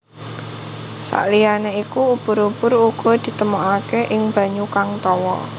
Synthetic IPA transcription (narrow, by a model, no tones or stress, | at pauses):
sa̰ʔlianeikuub̥ʊɾubʊɾuɡ̥ɔ̤d̪̥i̤t̪əmoʔakeʔɪŋb̥ä̤ɲukaŋt̪ɔwɔ̰